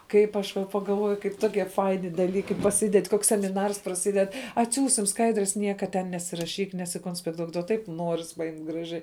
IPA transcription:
ˈkɐɪp ɐʃ ʋɐ pɐɡɐlˠˈʋoːjʊ kɐɪp ˈtoːkʲiɛ ˈfɐɪnʲɪ dɐˈlʲiːkɐɪ pɐˈsʲɪdʲɛtʲ ˈkoːks sʲɛmʲɪˈnɐrs prɐˈsʲɪdʲɛt ɐtʲˈsʲuːsʲɪm ˈskɐɪdʲrʲɛs ˈnʲiɛkɐ tʲɛn nʲɛsʲɪrɐˈʃʲiːk nʲɛsʲɪkoːnʲsʲpʲɛkˈtuɔk duɔ ˈtɐɪp ˈnuɔrʲɪs pɐˈjɪmʲtʲ ɡrɐˈʒʲɛɪ

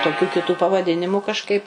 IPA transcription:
toːˈkʲuː kʲɪˈtuː pɐʋɐˈdʲɪnʲɪmʊ kɐʃˈkɐɪp

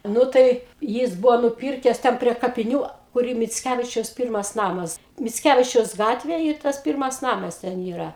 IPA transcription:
ˈnʊ tɐɪ ˈjɪs ˈbʊʋoː nʊˈpʲɪrʲkʲɛs ˈtʲɛn pʲrʲiɛ kɐpʲɪˈnʲuː ˈkʊr ɪ mʲɪt͡sʲˈkʲæʋʲɪt͡ʃʲɛʊs ˈpʲiːrmɐs ˈnɑːmɐs mʲɪt͡sʲˈkʲæʋʲɪt͡ʃʲɛʊs ˈɡɑːtʲʋʲeːj ɪ ˈtɐs ˈpʲiːrmɐs ˈnɑːmɐs tʲɛn ˈiːrɐ

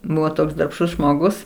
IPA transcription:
ˈbʊʋoː ˈtoːks dɐrpˈʃtʊs ʒmoːˈɡʊs

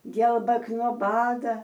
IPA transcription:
ˈɡʲiɛlˠbɐk noː ˈbɑːdɐ

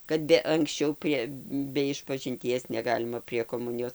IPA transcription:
kɐt ˈbʲɛ ɐŋksʲˈt͡ʃʲɛʊ ˈpʲrʲiɛ bʲɛ ɪʃpɐʒʲɪnʲˈtʲiɛs nʲɛˈɡɑːlʲɪmɐ pʲrʲiɛ koːˈmʊnʲɪjoːs

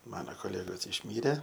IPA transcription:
ˈmɑːnoː koːˈlʲæːɡoːs ɪʃʲˈmʲiːrʲɛ

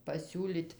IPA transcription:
pɐsʲuːˈlʲiːt

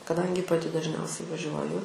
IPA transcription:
kɐˈdɐŋʲɡʲɪ pɐˈtʲɪ dɐʒʲˈnʲɛʊsʲɛɪ ʋɐˈʒʲuɔjʊ

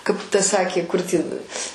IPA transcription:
kɐɪp ˈtɐ ˈsɑːkʲeː kʊr ˈtʲiːn

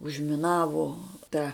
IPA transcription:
ʊʒʲmʲɪˈnɑːʋoː ˈtɐ

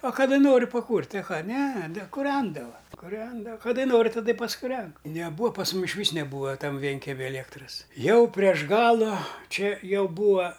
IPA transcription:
ɐ kɐˈdɐ ˈnoːrʲʊ pɐˈkuːrʲtʲɪ ɐ ˈkɑː nʲɛ nʲɛ kʊˈrʲɛndɐʋɐ kʊˈrʲɛndɐ kɐˈdɐɪ ˈnoːrʲɪ tɐˈdɐ ɪ pɐskʊˈrʲɛn nʲɛˈbuːɐ pɐs ˈmʊm ˈɪʃʲʋʲiːs nʲɛˈbuːɐ ˈtɐm ˈʋʲiɛŋʲkʲɛmʲɪ ɐlʲiɛkˈtrɐs ˈjɛʊ pʲrʲiɛʃ ˈɡɑːlˠʊ ˈt͡ʃʲɛ ˈjɛʊ ˈbuːɐ

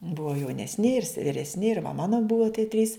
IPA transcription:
ˈbʊʋɐ jɛʊnʲɛsʲˈnʲɪ ɪr sʲɛ ʋʲɪrʲɛsʲˈnʲɪ ɪr ʋɐ ˈmɑːnoː ˈbuɔ tʲiɛ tʲrʲiːs

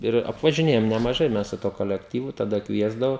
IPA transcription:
ˈɪr ɐpʋɐʒʲɪˈnʲeːjoːm nʲɛmɐˈʒɐɪ ˈmʲɛs sʊ tuɔ koːlʲɛkˈtʲiːʋʊ tɐˈdɐ ˈkʋʲiɛzdɐʋoː

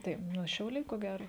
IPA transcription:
tɐɪ ˈnʊ ʃʲɛʊˈlʲɛɪ koː ˈɡʲæːroː

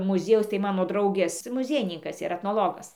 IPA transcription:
mʊˈzʲiɛjɛʊs tɐɪ ˈmɑːnoː ˈdrɐʊɡʲeːs mʊˈzʲiɛjɪnʲɪŋkɐs iːˈrɐ ɛtnoːˈlˠoːɡɐs

